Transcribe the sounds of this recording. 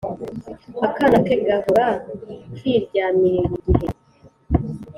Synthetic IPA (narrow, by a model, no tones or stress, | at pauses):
akanakeɡavakʰiɾɟaːmiɾeɾiɟiɦe